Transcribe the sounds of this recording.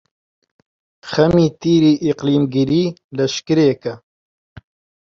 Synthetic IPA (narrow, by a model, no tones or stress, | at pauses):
xɐmiːt̪iːɾiːʔiqliːmɡiɾiːlɐʃkɨɾeːkɐ